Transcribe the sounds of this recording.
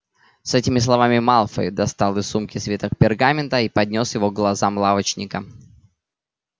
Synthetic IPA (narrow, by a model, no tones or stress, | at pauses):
sɛtʲɪmʲɪslˠɐvamʲɪmalˠfə̰d̪ɐst̪ɑlˠɨsumkʲɪsvʲet̪ək̚pʲɪrɡamʲɪnt̪əipɐdʲnʲo̞sjɪvoɡlˠɐzamlˠavət͡ɕnʲɪkə